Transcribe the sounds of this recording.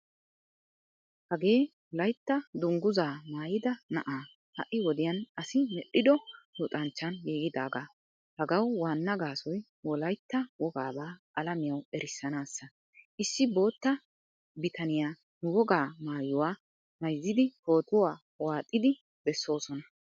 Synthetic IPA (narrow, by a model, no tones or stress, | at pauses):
hɐɡe̞ːwɔlɐjt̪ːɐd̪ʊŋɡʊzaːmaːjɪd̪ɐnɐ̰ʔaː | hɐʔɪwɔd̪ɪjɐnʔɐsɪmɛɗɪd̪ɔjʊt̪ʼɐnt͡ʃːɐnjeːɡɪd̪aːɡaː | hɐɡɐwwaːnːɐɡaːsɔj | wɔlɐjt̪ːɐwɔɡaːbaːʔɐlɐmɪjɐwɛɾɪsːɐnaːsːɐ | ʔɪsːɪbo̞ːt̪ːɐ | bɪt̪ʰɐnɪjaː | nʊwɔɡaːmaːjʊwaː | mɐjzːɪd̪ɪho̞ːt̪ʊwaː | waːt̪ʼːɪd̪ɪ | bɛsːo̞ːsɔnɐ